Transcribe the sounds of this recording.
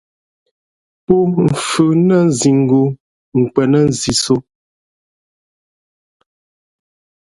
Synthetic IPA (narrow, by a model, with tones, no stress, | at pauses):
po˦m̩˨fʉ˨nə˦n˦˨zi˨ŋ˨ɡo˨ | ŋ̩˨kwɛ˨nə˦n̩˦˨zi˨so˦